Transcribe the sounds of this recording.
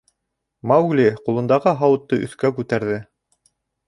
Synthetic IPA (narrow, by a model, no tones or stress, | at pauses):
mawɡliqulˠɤ̆nd̪ɑʁɤɦɑwɤ̆t̪ːɤʔɵ̰̆θkækʉt̪æɾðɘ